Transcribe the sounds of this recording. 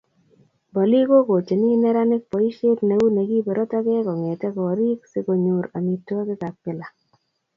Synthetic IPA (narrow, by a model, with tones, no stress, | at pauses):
bɔ˨li˦ko˦ɡo˨t͡ʃe˨nɪ˦nɛ˦ɾa˦nɪ˦kpɔ˨i˦ʃe˦tne˨˦wu˦ne˨ɡi˦be˨ɾʔo˦ta˦ɡɛ˦kɔ˨ŋe˨tɛ˦kɔ˨ɾi˦ksɪ˦ko˨ɲo˨ɾa˨mi˨tɔ˦kɪ˦ka˨pɪ˦la˨